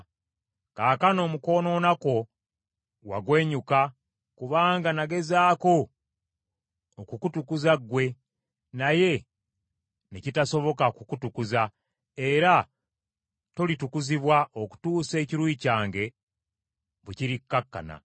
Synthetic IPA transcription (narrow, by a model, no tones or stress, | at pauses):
kaːkano̞ːmuko̞ːno̞ːnako̞ | wa̰ɡwe̞ːɲuka | kuβaːŋɡanaɡe̞zaːko̞ | kukutukuzaɡwe̞ | naje̞ | necitaso̞βo̞kakukutukuza | e̞ɾa | to̞litukuziβwaʔo̞ku̥tuːse̞ːciɾwiːcaːŋɡe̞ | βuciɾikːakːa̰na̰